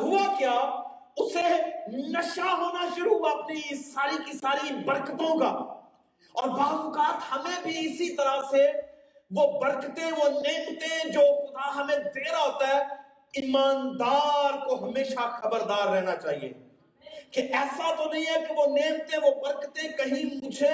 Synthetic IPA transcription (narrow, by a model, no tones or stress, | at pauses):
ɦʊakjaː | ʊsenɐʃaɦoːnaʃʊɾuːɦaɐpnisaːɾikisaːɾibɐɾkt̪õka̰ː | ɔːɾbaːɡukaːɾt̪hɐmẽbʱiɪsit̪ɐɾase | ʋobɐɾkt̪ẽʋoneːmt̪ed͡ʒoːxʊd̪aɦɐmẽd̪eːɾaɦoːt̪aɦɛ | imaːnd̪aːɾkoɦɐmeːʃaxɐbəɾd̪aːɾːɛɦnat͡ʃaːɦḭḛː | keʔɛːsat̪onɐ̃ɦĩɦɛkeʋoneːmt̪ẽʋobɐɾkt̪ẽkɐɦĩmʊd͡ʒʱe